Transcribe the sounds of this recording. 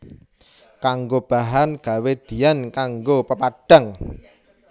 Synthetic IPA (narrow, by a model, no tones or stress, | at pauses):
kaŋɡob̥a̤ɦanɡ̥a̤wed̪̥i̤jankaŋɡopəpaɖ̥a̤ŋ